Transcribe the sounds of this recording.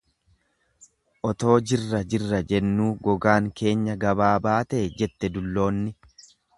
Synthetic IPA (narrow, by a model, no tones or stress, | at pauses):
ʔɔt̪o̞ːd͡ʒɪrːɐd͡ʒɪrːɐd͡ʒɛnːuːɡɔɡaːŋke̞ːɲːɐɡɐbaːbaːt̪ɐʔɛd͡ʒɛt̪ːɛd̪ʊlːo̞ːnːɪ